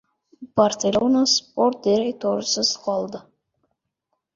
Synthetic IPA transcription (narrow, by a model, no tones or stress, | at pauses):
b̥arsʲelʲonasport̪̚d̪eɾejt̪ʰoɾəsəzqɑlˠd̪ə